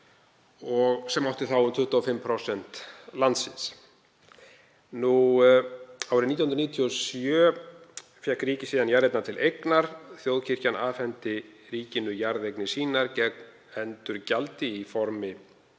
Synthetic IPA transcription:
ɔɣsɛmawht̪ɪθawʏmt̪ʰʏht̪aːfɪmːpʰɾɔsɛn̥t̪lant̪sɪns | nu | awɾɪnit̪jhnɾniːt̪ʰiɔsjœː | fjɛhkɾiːcɪsiːðanjaɾejt̪nat̪ʰɪlʔejknaɾ̥θjowðcʰɪr̥canaːfɛnt̪ɪriːcɪnʏjaɾðejknɪsiːnaɾcɛkm | ɛnt̪ʏɾcalt̪ɪifɔɾmɪ

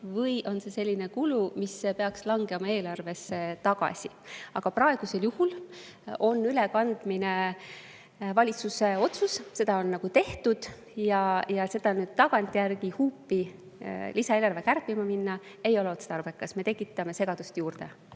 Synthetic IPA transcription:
vɤjʔo̞nse̞se̞lʲːine̞kulumispe̞ɑkslɑŋɡemɑe̞ːlɑrve̞sːet̪ɑɡ̥ɑ̰sʲi | ɑɡ̥ɑprɑe̞ɡ̥use̞ljuhul | o̞nːylɛkɑnd̪̥mine̞ | vɑlʲit̪suse̞o̞t̪susse̞d̪̥ɑo̞nːɑɡ̥ut̪e̞ht̪ud̪̥ | jɑjɑse̞d̪̥ɑnyːd̪̥̚t̪ːɑɡ̥ɑnt̪ːˑjærɡihuːpːi | lisɑeːlɑrve̞kærpːˑimɑminːɑe̞jo̞leot̪set̪ɑrb̥e̞kːˑɑsme̞t̪e̞kˑːit̪ːˑɑme̞se̞ɡ̥ɑd̪̥ust̪juːrd̪̥e̞̰

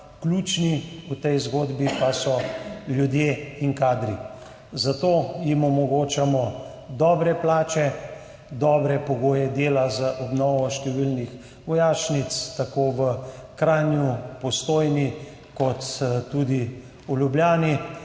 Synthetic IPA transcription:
klut͡ʃniut̪ɛjzɡoːd̪bipasɔljud̪jeinkaːd̪ɾi | zat̪oːjimɔmɔɡoːt͡ʃamɔ | d̪ɔːbɾɛplaːt͡ʃɛ | d̪ɔːbɾɛpɔɡoːjɛd̪eːlazaʔɔbnɔːʋɔʃt̪ɛʋilnix | ʋɔjaːʃnit̪st̪akoːʋəkɾaːnjupɔst̪oːjni | kɔt̪tːud̪i | uljubljaːni

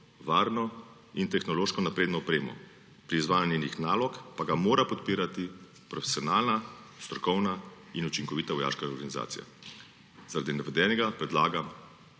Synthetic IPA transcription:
ʋaːɾnɔ | int̪ɛxnɔloːʃkɔnapɾeːd̪nɔɔpɾeːmɔ̰ | pɾiːzʋaːjanjɛnixnaːlɔkpaɡamoːɾapɔt̪piːɾat̪i | pɾɔfe̥sijɔnaːlnast̪ɾɔkɔwna | inut͡ʃiŋkɔʋiːt̪aʋɔja̰ːʃkaɾɡaniza̰ːt̪sija̰ | zaɾad̪inaʋɛd̪ɛːnɛɡapɾɛd̪laːɡam

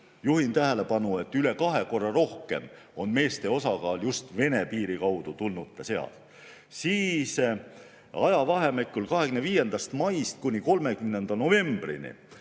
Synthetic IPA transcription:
juhint̪æɦele̞pɑnue̞t̪ːˑyle̞kɑɦe̞ko̞rːɑɾo̞hke̞m | o̞nme̞ːst̪e̞o̞sɑkɑːljust̪ve̞nepiːɾikɑwd̪̥ut̪ulnut̪ːˑese̞ɑ̰l̥ | siːs | ɑjɑvɑɦe̞mekːˑulkɑɦe̞ɡ̥ymneviːje̞nd̪̥ɑst̪mɑjst̪̚kunʲiko̞lme̞kymne̞nd̪̥ɑno̞ve̞mb̥rḭnḭ

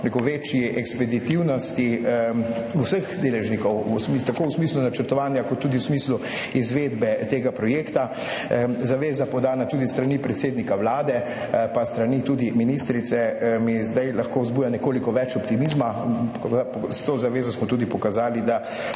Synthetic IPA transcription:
nekoʋeːt͡ʃjiʔɛkspɛd̪it̪iwnɔst̪i | usəxd̪eːlɛʒnikɔwusmit̪akoːwsmiːslunat͡ʃəɾt̪ɔʋaːnjakɔt̪ːuːd̪iwsmiːslu | izʋeːd̪bɛt̪eːɡapɾɔjeːkt̪a | zaʋeːzapɔd̪aːnat̪uːd̪ist̪ɾanipɾɛt̪seːd̪nikawlaːd̪ɛ | past̪ɾanit̪uːd̪iminist̪ɾit̪sɛmizd̪ajlaxkoːzbuːjanɛkoːlikɔʋɛt͡ʃɔpt̪imiːzma | apɔst̪oːzaʋeːzɔsmɔt̪uːd̪ipɔkazaːlid̪a

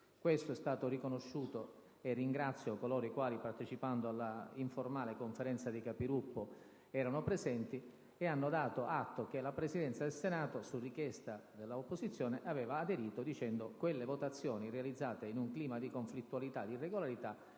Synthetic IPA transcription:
kwest̪oɛst̪aːt̪orikonoʃːuːt̪o | erːiŋɡɾat̪sːjokolɔːɾoikwaːlipart̪et͡ʃipand̪oalːaiɱformaːlekoɱfeɾɛnt̪sad̪ikapiɾupːo | ɛːɾanopɾezɛnt̪i | eanːod̪aːt̪oʔat̪ːok̟elapɾesid̪ɛnt̪sad̪elsenaːt̪osurːikjɛst̪ad̪elːaopːozit̪sːjɔːneʔavɛːvaːd̪eɾiːt̪od̪it͡ʃɛnd̪okwelːevot̪at̪sːjɔːnirealid̪zːaːt̪einuŋkliːmad̪ikoɱflit̪ːualit̪ad̪irːeɡolaɾit̪a

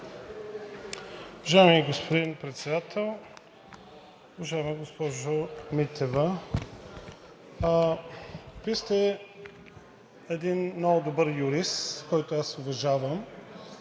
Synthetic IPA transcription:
ʊvɐʒaɛmiɡospod̪inpɾɛt̪sɛd̪at̪ʰɛlˠ | ʊvɐʒaɛmiɡospɔʒomit̪ʰɛvɐ | vist̪ɛ | ɛd̪inmnɔɡʊd̪obəɾjʊɾist̪kɔjt̪ʊasʊvɐʒavəm

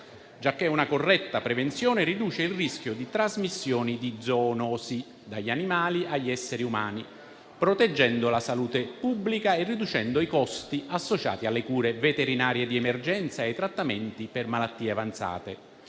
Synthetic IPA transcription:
d͡ʒakːeunakorːɛt̪ːapɾɛvent̪sjɔːneɾid̪uːt͡ʃeilrisk̟jʊd̪it̪ɾazmisːjɔːnid̪id̪zɔnɔːsi | d̪aʎːanimaːliʔaʎːɛsːeɾiuma̰ːni | pɾot̪ed͡ʒːɛnd̪olasaluːt̪epubːlikaerːid̪ut͡ʃɛnd̪oikɔst̪iasːot͡ʃa̰ːt̪ialːekuːɾevet̪eɾinaːɾjed̪iɛmerd͡ʒɛnt̪saet̪ːɾat̪ːamɛnt̪ipermalat̪ːiːeavant̪sa̰ːt̪ḛ

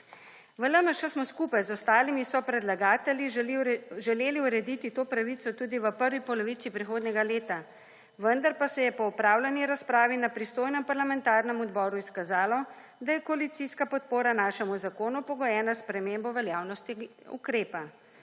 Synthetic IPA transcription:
ʋələməʃɛsmɔskuːpajzɔst̪aːlimisɔpɾɛd̪laɡaːt̪ɛlji | ʒɛleːliuɾɛd̪it̪it̪oːpɾaʋiːt̪sɔt̪uːd̪iʋəpəɾʋipɔlɔʋiːt̪ipɾixoːd̪nʲɛɡaleːt̪a | ʋənd̪aɾpasɛjɛpɔupɾaːwlaniɾaspɾaːʋinapɾist̪oːjnɛmpaɾlamɛnt̪aːɾnɛmɔd̪bɔːɾuiskazaːlɔ | d̪ajɛkɔalit̪siskapɔt̪̚poːɾanaːʃɛmuzakoːnupɔɡɔjɛːnaspɾɛmeːmbɔʋɛljaːwnɔst̪iṵkɾeːpa

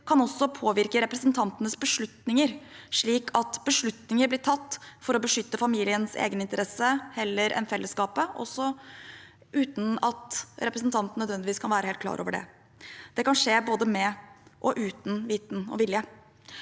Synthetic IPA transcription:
kʰɑnɔsːɔpʰoːʋɪɾkəɾɛpɾəsnt̪ʰɑnt̪ənəsbəʂɭʉt̪nɪŋəɾʂɭiːkʰɑt̪bəʂɭʉt̪nɪŋəɾblɪʈʰɑt̪ːfɔɾɔbəʂʏt̪ːəfɑmiːlɪənsḛːɡənɪnt̪əɾɛsːəhɛlːəɾʔɛ̰nfɛlːəskɑːpəʔɔ̰sːɔ | ʔʉːt̪n̩ɑt̪ɾɛpɾəsnt̪ʰɑnt̪n̩œd̪ʋɛnd̪ɪʋiːskʰɑnʋæːɾəheːlt̪̚klɑ̰ːɾo̰ːʋəɖɛ̰ | d̪̥ɛkɑnʂeːboːd̪əmɛʔɔʔʉːt̪n̩ʋiːt̪n̩ɔ̰ʋɪljə

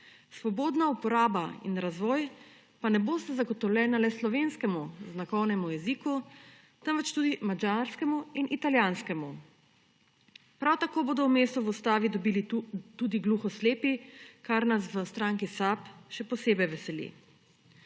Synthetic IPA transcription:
sʋɔboːd̪naupɔɾaːbaḭnɾazʋɔːj | panɛboːst̪azaɡɔt̪ɔwlʲjɛːnalɛslɔʋenskɛmuznakɔwnɛmujɛziku | t̪əmʋɛt͡ʃt̪uːd̪imad͡ʒaɾskɛmuinʔit̪aljaːnskɛmu | pɾawt̪akoːboːd̪ɔwmeːst̪ɔʋust̪aːʋid̪ɔbiːlit̪ud̪iɡluːxɔsleːpikaɾnasʋəst̪ɾaːŋkisapʃɛpɔseːbɛjʋɛsɛlḭ

